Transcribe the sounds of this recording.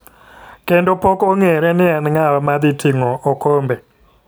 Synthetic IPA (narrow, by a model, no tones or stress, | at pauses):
kendopokoŋeɾɛnɪanŋaɾɔmad̪ɪtʰiŋɔʔokombe